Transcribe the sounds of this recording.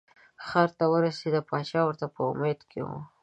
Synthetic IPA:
xɑɾt̪awəɾased̪apɑt͡ʃɑwəɾt̪apəʊmed̪kʰḛwṵ

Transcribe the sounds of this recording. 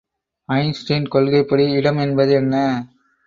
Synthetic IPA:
ɐɪnsʈɐːnkɔɭɣɐɪpːɐɽiɪɽɐmɛnbɐðɯɛnːɐ

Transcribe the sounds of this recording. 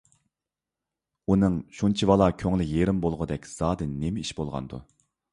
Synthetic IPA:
unɨŋʃunt͡ʃʰivɑlˠɑkʲʰøŋlɪjeɾɪmbolˠʁʊd̪ɛkʲz̥ɑːd̪ɨnːemɛiʃbolˠʁɑ̰nd̪u

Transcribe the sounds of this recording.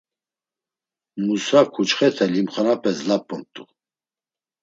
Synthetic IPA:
musakʰut͡ʃχɛt̪ʰɛlimχanapʼɛslapʼːɔmt̪ʼu

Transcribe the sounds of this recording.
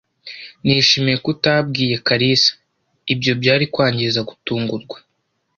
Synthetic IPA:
niːʃimijekutab̚ɡiːje̞kaɾisḁ | ibjo̞bɟaːɾikwaːɲɟiɾizaɡutuːŋɡuɾɡwḁ

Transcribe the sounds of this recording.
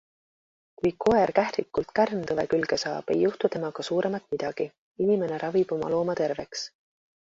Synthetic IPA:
kujkʰo̞e̞rkæhɾikːult̪kærnt̪ɤve̞̰kylɡ̥e̞sɑːb̥e̞̰jːuht̪ut̪e̞mɑɡ̥ɑsuːɾʔe̞mɑt̪ˑmid̪̥ɑɡ̥i | inime̞ne̞ɾʔɑvib̥o̞mɑ̰lo̞ːmɑt̪e̞rve̞ks

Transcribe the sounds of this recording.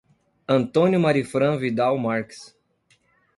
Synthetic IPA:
ɐ̃nt̪õnjʊmaɾifɾɐ̃vid̪awmaɾks

